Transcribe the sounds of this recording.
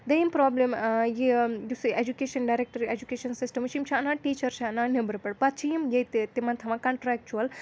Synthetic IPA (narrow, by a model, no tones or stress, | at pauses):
d̪ɐjimpɾɔːblemjijusuʔed͡ʒukeʃɐnɖajɾek̚ʈɐɾied͡ʒukeːʃɐnsisʈɐmt͡ʃimt͡ʃʰaɐnaːʈiːt͡ʃɐɾt͡ʃʰaɐnanebɐɾpɐɽpɐt̪̚t͡ʃʰijimjejt̪et̪imɐnt̪ʰɐmãkɐɳʈɾɛːk̚t͡ʃuɐl